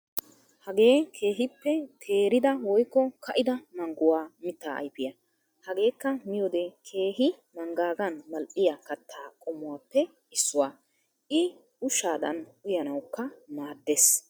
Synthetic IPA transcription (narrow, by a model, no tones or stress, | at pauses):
hɐɡe̞ːkʰe̞ːɦɪpːɛt̪ʰe̞ːɾɪd̪ɐwɔjkːɔkɐʔɪd̪ɐmɐŋɡʊwaːmɪt̪ːa̰ːʔɐ̰jpɪjɐ | hɐɡe̞ːkːɐmɪjɔd̪ɛkʰe̞ːɦɪ | mɐŋɡaːɡɐnmɐlʔɪjɐkɐt̪ʰːaːkʼɔmːʊwaːpːɛ | ɪsːʊwaː | ʔɪ | ʊʃaːd̪ɐ̰nʊjɐnɐwkːɐnaːd̪ːes